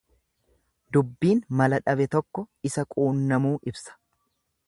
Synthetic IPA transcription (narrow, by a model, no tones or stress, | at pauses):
d̪ʊbːiːnmɐlɐᶑɐbɛt̪ɔkːɔɪsɐkʼuːnːɐmuːʔɪbsɐ̥